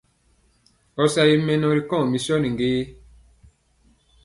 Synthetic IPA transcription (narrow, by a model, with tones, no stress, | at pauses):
ɔ˨sa˦ji˦mɛ̃˦nɔ̃˧ɾi˨kɔ̃˦˨mĩ˨sɔ˦nĩ˨ŋ˨ɡeː˦